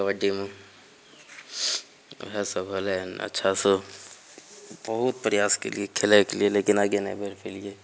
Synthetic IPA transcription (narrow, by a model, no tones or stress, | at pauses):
ʋəɖimẽ | ɦɛsəbʱəlɛnɐ̰tːʃʰaso | bɐɦʊt̪̚pɾɪjaːskḛlḭekʰɪlekelieleːkɪnaːɡenḛbʱeɾpʰelieː